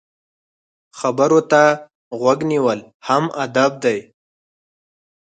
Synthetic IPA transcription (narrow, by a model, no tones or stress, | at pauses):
xabəɾot̪a | ɣwaɡniwəl | hamʔad̪ab̚d̪aj